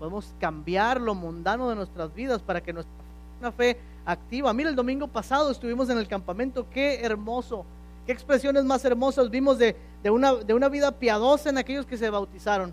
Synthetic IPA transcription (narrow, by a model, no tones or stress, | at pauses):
poðemo̞skambjaɾlo̞mũnd̪ano̞ðe̞nwe̞st̪ɾazβiðaspaɾake̞nwe̞st̪ɾae | nafe̞ | akt̪iβamiɾald̪o̞mĩŋɡo̞pasaðo̞e̞st̪uβimo̞s̬e̞ne̞lkampamẽ̞nt̪o̞ke̞ːɾmo̞so̞ | ke̞ːkspɾe̞sjo̞ne̞zmase̞ɾmo̞sazbimo̞zðe | d̪eunad̪e̞unaβiðapjað̞o̞saenake̞ʝo̞ske̞s̬e̞βawt̪isaɾo̞n